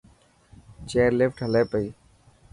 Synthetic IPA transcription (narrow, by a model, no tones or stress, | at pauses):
t͡ʃeːɾlɪfʈɦəleːpəiː